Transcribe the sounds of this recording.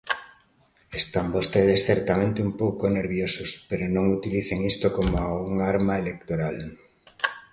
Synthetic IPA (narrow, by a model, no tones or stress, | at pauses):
est̪ambost̪eðesθɛɾt̪amẽnt̪eumpowkoneɾβjosospeɾonõŋut̪iliθeŋist̪okomoaɣuŋaɾmaelekt̪oɾal